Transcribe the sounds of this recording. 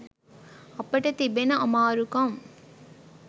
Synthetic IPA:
ɐpːɐʈɐt̪ibenɐʔɔmaːɾukɐm

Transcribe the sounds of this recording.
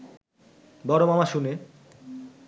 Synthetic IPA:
bɔɾomamaʃune

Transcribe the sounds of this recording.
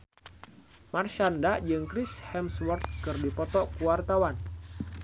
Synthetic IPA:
marʃandaʔd͡ʒɨŋkɾɪshɛmswərt̪̚kɨrdipɔt̪ɔkuwart̪awan

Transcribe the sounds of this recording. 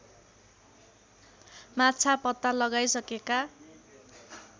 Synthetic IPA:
mat͡sʰapʌt̪ːalʌɡajsʌkeka

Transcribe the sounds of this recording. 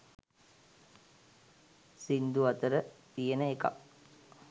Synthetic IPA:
sind̪uat̪əɾət̪ijenəeka̰

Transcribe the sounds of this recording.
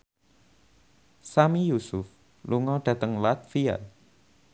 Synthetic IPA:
samijusʊf | luŋɔɖ̥ä̤t̪əŋlat̪fia̰

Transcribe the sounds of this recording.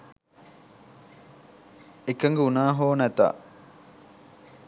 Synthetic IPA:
ekɐŋɡeunaːɦoːnæt̪a̰

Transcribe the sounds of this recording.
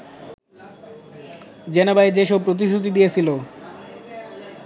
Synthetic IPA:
d͡ʑenobaed͡ʑeʃopɾot̪̬iʃɾut̪̬id̪ijet͡ɕʰilo

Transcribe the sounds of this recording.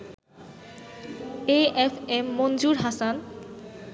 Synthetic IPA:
eefemːond͡ʑuɾɦasan

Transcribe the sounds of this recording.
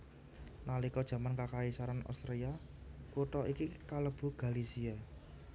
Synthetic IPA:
nalikɔd̥ʒ̥ä̤mankakaisaɾanʔɔ̰st̪ɾia | kuʈɔʔikikaləb̥ṳɡ̥a̤lisia

